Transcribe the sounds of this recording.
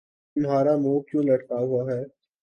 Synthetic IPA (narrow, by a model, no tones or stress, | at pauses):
ʊmɦaːɾamuːb̚kjũːlɐɽkaɦʊaɦɛː